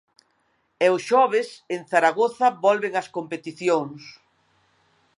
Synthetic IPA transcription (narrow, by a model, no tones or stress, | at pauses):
ɛʊsʃɔβ̞eseŋθaɾaɣoθɐbɔlβeŋɐskompet̪iθjoŋs